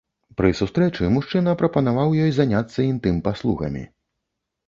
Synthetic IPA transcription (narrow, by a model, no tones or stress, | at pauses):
pɾɨsust̪ɾɛt͡ʂɨmuʂt͡ʂɨnɐpɾɐpɐnavawjɔjzanʲat̪sːɐint̪ɨmpaslˠuɣɐ̰mʲḭ